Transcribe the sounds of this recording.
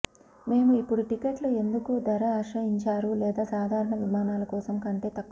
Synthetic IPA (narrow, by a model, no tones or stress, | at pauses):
me̞ːmuipːuɽuʈikeʈloe̞nd̪ukud̪ɐɾɐːʂɐjiɲt͡ʃaːɾulɛːd̪aːsaːd̪ʱaːɾɐɳɐʋimaːnaːlɐkɔːsɐmkɐɳʈe̞ːt̪ɐkː